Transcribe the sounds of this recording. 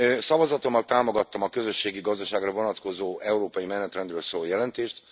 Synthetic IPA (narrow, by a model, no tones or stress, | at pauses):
sɒvɒzɒt̪o̞mːɒlt̪aːmo̞ɡɒt̪ːɒmɒkø̞zø̞ʃːeːɡiɡɒzd̪ɒʃaːɡrɒvo̞nɒt̪ko̞zoːʔɛuɾoːpɒjimɛnɛt̪rɛnd̪røːlsoːloːjɛlɛnt̪eːʃt̪